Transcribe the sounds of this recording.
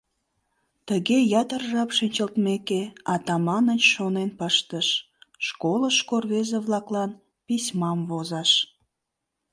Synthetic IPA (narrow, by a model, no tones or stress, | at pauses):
t̪əɣejɑt̪ərʒɑpʃinʲt͡ɕəlt̪mekeɑt̪ɑmɑnənʃonenpəʃt̪əʃ | ʃkoləʃkorβezeβlɑklɑn | pisʲmɑmvozɑʃ